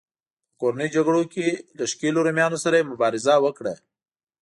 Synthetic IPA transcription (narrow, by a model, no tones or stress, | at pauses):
koɾanid͡ʒaɡɽokelaʃkeloɾomjɑnosaɾajemʊbɑɾɪzawəkɽa